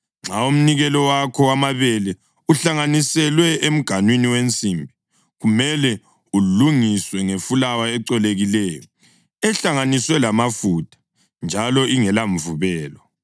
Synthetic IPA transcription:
ŋ͡ǁaum̩niɣɛlɔwakʰɔwamaβɛlɛ | uɬaŋanisɛlwɛem̩ɡ̥ʱanwiniwent͡sʼimbʱi | ɣumɛlɛ | uluŋiswɛŋefulawaɛǀɛleɣilɛːjɔ | ɛɬaŋaniswɛlamafutʰʼḁ | nd͡ʒʱalɔiŋɛlaɱvuβɛːlɔ

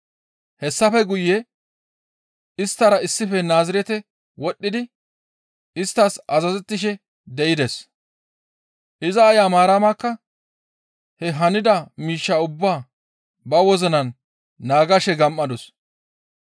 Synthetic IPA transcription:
hɛsːɐfɛɡʊjːɛ | ɪst̪ːɐɾɐɪsːɪfɛnaːzɪɾɛt̪ɛ | wɔɗːɪd̪ɪ | ɪst̪ːasɐzɐzɛt̪ːɪʃɛ | d̪ɛʔɪd̪ɛs | ʔɪzɐːjaːmaːɾɐmaːkːɐ | hɛɦɐnɪd̪ɐmiːʃːɐʊbːaː | bɐwɔzɔnɐnː | aːɡɐʃɛɡɐmːɐd̪ɔs

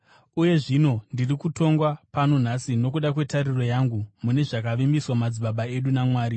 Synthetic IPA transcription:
uje̞ʐino̞ndirikuto̞ŋɡwapano̞n̤asino̞k̬uɗakwe̞tariro̞jaŋɡumune̞ʐakaʋimbiswamad͡ziɓaɓae̞ɗunamwaːɾi

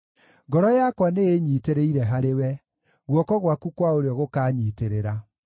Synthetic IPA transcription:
ŋɡɔɾɔjakwaneeɲiːteɾeiɾɛɦaɾewɛ | ɣwɔkɔɣwakukwaoɾeɔɣokaːɲiːteɾeɾa

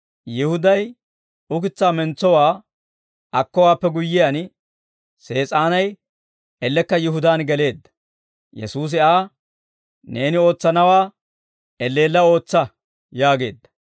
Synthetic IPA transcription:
jɪhʊd̪ɐj | ʊk̬ɪt͡sːaːmɛnt͡sːɔwaː | ɐkːɔwaːpːɛɡʊjːɪjan | se̞ːt͡sʼaːnɐj | ɛlːɛkːɐjɪɦʊd̪aːnɡɛle̞ːd̪ːɐ̥ | jɛ̰suːs̬ɪaː | ne̞ːnɪo̞ːt͡sːɐnɐwaː | ɛlːe̞ːlːɐo̞ːt͡sːɐ | jaːɡe̞ːd̪ːɐ̥

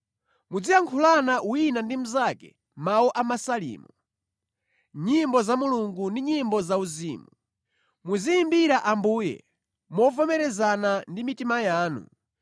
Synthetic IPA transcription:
mud͡ziaŋkʰulanaʔuinandim̩zakɛ̰ | mawuʔamasalḭːmu | ɲimbɔzamuluŋɡundiɲimbɔzauziːmu | muzijimbiɾaʔambuːjɛ̰ | mɔvɔmɛɾɛzanandimitimajaːnṵ

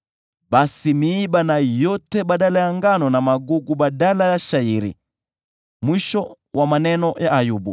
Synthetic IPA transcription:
ɓasimiːbanajɔtɛɓaɗalajaŋɡanɔnamaɡuɡuɓaɗalajaʃaiɾḭ | mwiʃɔ | wʔamanɛnɔjaajubu

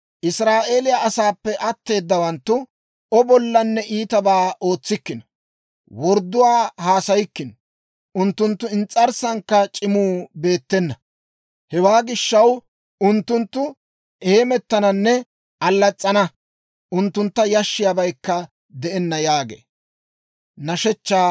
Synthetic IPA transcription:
ʔɪsɾaːʔe̞ːlɪjaʔɐsaːpːɛʔɐt̪ːe̞ːd̪ːɐwɐnt̪ːʊ | ɔbɔlːɐnːɛʔiːt̪ɐbaːʔo̞ːt͡sːɪkːɪnɐ̥ | wɔɾd̪ʊwaːhaːsɐjɪkːɪn | ʊnt̪ːʊnt̪ːʊɪnt͡sʼːɐɾsɐŋkːɐt͡ʃʼɪmuːbe̞ːt̪ːɛnːɐ | hɛwaːɡɪʃːɐw | ʊnt̪ːʊnt̪ːʊ | ʔeːmɛt̪ːɐnɐnːɛ | ɐlːɐt͡sʼːɐnɐ | ʔʊnt̪ːʊnt̪ːɐjɐʃːɪjabɐjkːɐ | d̪ɛʔɛnːɐjaːɡḛː | nɐʃɛt͡ʃːaː

